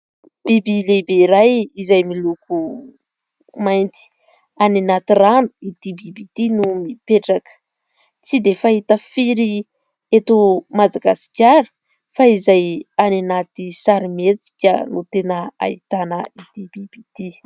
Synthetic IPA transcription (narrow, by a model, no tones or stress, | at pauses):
b̥ibilebeɾajizajmiluku | majnt̪i̥ | anenat̪iranu̥id̪̥ibibit̪inumipeʈ͡ʂakə̥ | t͡sid̪efaɦit̪əfiɾi | et̪omad̪aɡasi̥kʲaɾə̥ | faizajanenat̪isaɾimet͡si̥kʲə̰nut̪enəa̰it̪anəid̪ibib̥it̪i